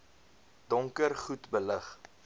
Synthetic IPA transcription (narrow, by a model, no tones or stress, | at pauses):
d̥ɔŋkərχutbələχ